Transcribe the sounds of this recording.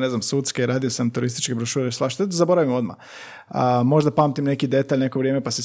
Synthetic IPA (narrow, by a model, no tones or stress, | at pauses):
ne̞znamsuːt̪skeɾaːd̪io̞samt̪uɾist̪i̥t͡ʃkebɾoʃuːɾesaʃt̪ed̪zabo̞ɾaʋimo̞d̪ma̰ | əmo̞ʒd̪apaːmt̪imne̞kid̪e̞t̪aːʎne̞koʋɾijemepases